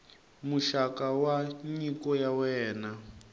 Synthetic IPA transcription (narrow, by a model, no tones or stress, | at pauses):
muʃakawaɲikɔjawɛːna